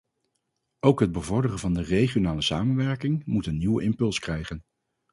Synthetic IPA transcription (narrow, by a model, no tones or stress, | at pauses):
owkɦəd̚bəvɔɹdərəvɑndərejχionaːləsaːmənʋɛɹkɪŋmutənːiwʔɪmpɵlˠskrɛjχən